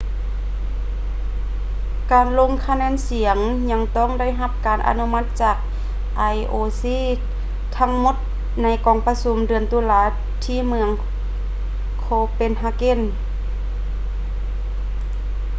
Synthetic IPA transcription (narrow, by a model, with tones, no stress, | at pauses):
kaː˨˩nlo˧˨ŋkʰa˧nɛː˧˥˨nsi˨˩˦əŋ | ɲa˧˥ŋt̪ɔː˥˨ŋda˥˩jɦa˧˥p̚kaː˨˩nʔa̰˧nu˧ma˧t̪̚t͡ɕaː˧˩k̚ | ʔa˧˩jʔoː˧siː˧˥˨ | t̪ʰa˧˥ŋmo˧˥t̪̚ | na˧˥jkɔː˨˩ŋpa˧su˧˦mdɯ˨˩ənt̪uː˧˦laː˧˥ | t̪ʰiː˧˥˨mɯ˧əŋ | kʰoː˧pe˧˨nɦa˧ke˧˥˨n